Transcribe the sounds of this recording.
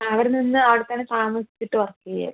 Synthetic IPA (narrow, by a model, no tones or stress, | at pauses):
ɐʋɐɾninːɨɐʋɐɽet̪ːɐnːet̪aːmɐsi̥t͡ɕːiʈːɨʋɐrɐkːɨɣɐjɐ̰